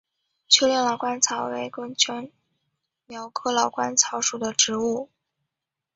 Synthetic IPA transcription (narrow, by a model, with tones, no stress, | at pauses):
t͡ɕʰɛ˥ljɛ˥˩lɑ˨˩ʊkwa˥nt͡sʰɑ˧˥ʊwe˧˥ɪkɤ˥ŋt͡ɕʰɛ˥n | mjɑ˧˥ʊkʰɤ˥lɑ˨˩ʊkwa˥nt͡sʰɑ˧˥ʊʂu˨˩d̪ə˦ʈ͡ʂɻ̩˧˥u˥˩